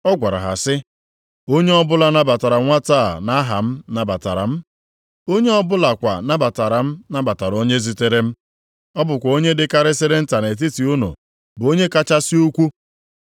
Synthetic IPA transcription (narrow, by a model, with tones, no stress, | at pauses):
ɔ˦ɡʷa˨ɾa̰˨ɦa̰˨sɪ˦ | o˦ɲe˦ɔ˦bʊ˦la˦na˨ba˨ta˨ɾa˨ŋʷa˦taː˦˨na˦ɦa˨m̩˦na˨ba˨ta̰˨ɾa̰˨m̩˦ | o˦ɲe˦ɔ˦bʊ˦la˨kʷa˨na˦ba˨ta˨ɾa˨m̩˦na˦ba˨ta˨ɾo˦ɲe˦zi˦te˦ɾe˦m̩˦ | ɔ˦bʊ˨kʷa˨o˦ɲe˦dɪ˨ka˦ɾe˦se˦ɾe˦n̩˦ta˨ne˨t̬i˦ti˨u˦no̰˨ | bo˦ɲe˦ka˦t͡ʃa˦si˦u˦kʷu˦